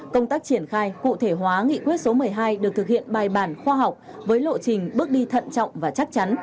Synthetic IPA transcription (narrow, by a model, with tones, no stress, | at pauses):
kə˧wŋ͡mt̪aː˦˥k̚t͡ɕi˧˩ənxaː˧jkṵ˧˨t̪ʰe˧˩ɦwaː˨˦ŋḭ˧˨kwət̚so˨˦mɨ˨˩əjɦaː˧jɗɨ˨˩k̚t̪ʰɨ˨˩k̚hḭ˧˨ənɓaː˨˩jɓaː˧˩nxwaː˧ɦa˨˩wk͡p̚vəː˨˦jlo̰˧˨t͡ɕï˨˩ŋ̟ɓɨ˦˥ək̚ɗi˧t̪ʰə̰˧˨nt͡ɕɔ̰˧˨wŋ͡mvaː˨˩t͡ɕa˦˥k̚t͡ɕa˨˦n